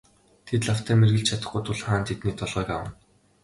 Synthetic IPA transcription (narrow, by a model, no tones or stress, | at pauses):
t̪ʰet̪ɮaw̥t̪ʰeːrmerɣɘ̆ɬt͡ɕʰat̪ə̆χɡujt̪ʰʊɮχaːnt̪ʰet̪niːt̪ʰɔɮʁœːka̰wə̆n